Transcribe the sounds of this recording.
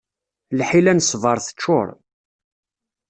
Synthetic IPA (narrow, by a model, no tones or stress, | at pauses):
lħilænsˤvɑɾˤθə̥t͡ʃːʊ̰ɾˤ